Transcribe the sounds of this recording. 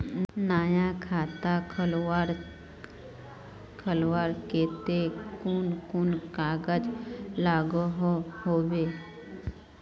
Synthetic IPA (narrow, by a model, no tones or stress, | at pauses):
naːjakʰaːt̪akʰlɾ | kʰəlwaːɾkeːt̪ekunkunkaːɡəd͡ʒlaːɡoɦohoːweː